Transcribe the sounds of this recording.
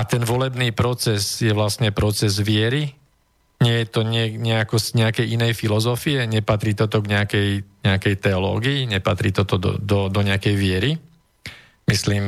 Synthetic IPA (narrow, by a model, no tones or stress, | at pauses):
at̪ɛnʋɔlɛbniːpɾɔt͡sɛzjɛʋlasɲɛpɾɔt͡sɛzʋɪɛɾi | ɲɪɛjɛt̪ɔɲɪɛɲɛakɔzɲɛakɛjʔinɛjfilɔzɔfiɛɲɛpat̪ɾiːt̪ɔt̪ɔɡɲɛakɛjɲɛakɛjt̪ɛɔlɔ̰ːɡiiɲɛpat̪ɾiːt̪ɔt̪ɔd̪ɔ̰d̪ɔd̪ɔɲɛakɛjʋɪɛɾi | misliːm